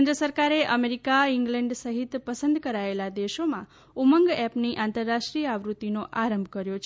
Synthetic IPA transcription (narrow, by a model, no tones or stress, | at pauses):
nd̪ɾəsəɾkaɾeʔəmeɾikaiŋɡlɛ̃ɳɖsəɦit̪pəsə̃nd̪kəɾaelad̪eʃomã̰ | uməŋɡɛpniʔãnt̪əɾːaʃʈɾijəaʋɾut̪ːinoʔaɾəmbʱkəɾjot͡ʃʰ